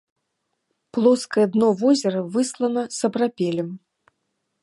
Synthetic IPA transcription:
plˠɔskɐjɛd̪nɔvɔzʲɛɾɐvɨslˠɐnɐsɐbɾapʲɛlʲɛm

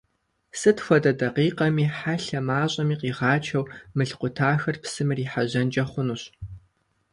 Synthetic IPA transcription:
sɨtxʷɔdɐdɐqiːqɐmiːħaɬɐmaːɕʼɐmiːqiːʁɑːt͡ʃʰɐwmɨɬqʷʊtʰaːxɐrpsɨmɨriːħaʑɐnd͡ʒɐχʷʊnuːɕ

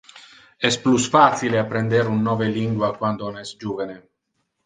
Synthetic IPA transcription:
ɛsplusfasileapːɾɛnd̪eɾunːɔːveliŋɡwakwand̪onɛsd͡ʒuːvene

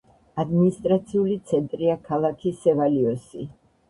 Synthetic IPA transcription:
ad̪minist̪ʼɾat̪sʰiulit̪sʰɛnt̪ʼɾiakʰalˠakʰisɛvaliɔsḭ

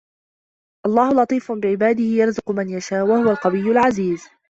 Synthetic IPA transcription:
ʔɑlˤːɑːhʊlɑt̪ˤiːfʊnbɪʕɪbaːd̪ɪhɪjɑɾˤzʊqʊmanjaʃaːʔwahʊwalqɑwɪjːʊlʕaziːz

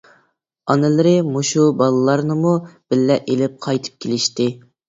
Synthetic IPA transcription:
ɑnɨlɨɾɨmoʃubɑlˠɨlˠɑɾnɨmub̥ɪlːɛʔelɪp̚qʰɑjt̪ʰɨ̥p̚kʲʰelɪʃt̪ɪ

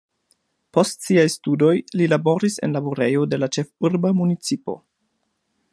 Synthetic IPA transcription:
po̞stsiajstudo̞jlilabo̞ɾise̞̰nlabuɾe̞jo̞de̞lat͡ʃe̞fuɾbamunit͡sipo̞̰

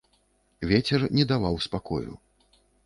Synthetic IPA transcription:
vʲɛt͡sʲɛrnʲɛd̪avawspakɔ̰jṵ

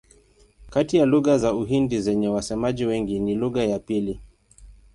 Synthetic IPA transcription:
katijaluɣazauɦindizɛɲɛwasɛmaʄiwɛŋɡiniluɣajapili

